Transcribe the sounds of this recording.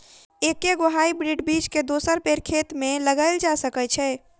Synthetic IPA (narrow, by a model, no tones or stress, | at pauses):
ekeɡoɦaibɾiɖbit͡ʃked̪osəɾpeɾkʰet̪meləɡaɪld͡ʒasəkɛt͡ʃʰɛ